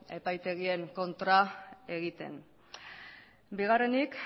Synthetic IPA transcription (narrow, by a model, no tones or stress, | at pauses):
e̞pajt̪e̞ɣie̞ŋko̞nt̪ɾae̞ɣit̪e̞̰n | biɣ̞are̞nik